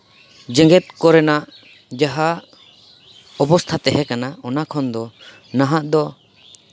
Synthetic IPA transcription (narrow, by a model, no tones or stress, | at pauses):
d͡ʒɛ̃ŋɡɛt̪̚kɔɾɛnaʔ | d͡ʒaɦa | ɔpɔst̪ʰat̪ɛɦɛkanaɔnakʰɔnd̪ɔ | naɦaʔd̪ɔ